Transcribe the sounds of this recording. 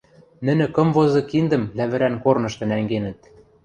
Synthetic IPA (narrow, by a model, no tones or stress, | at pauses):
nɘ̆nɘ̆kɤ̆mvozɤ̆kind̪ə̆md̪æβɘ̆ɾænkornɤ̆ʃt̪ɤ̆næŋɡenɘ̆t̪̚